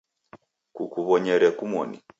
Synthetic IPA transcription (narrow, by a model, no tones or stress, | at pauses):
kukuβɔɲɛɾɛkumɔnḭ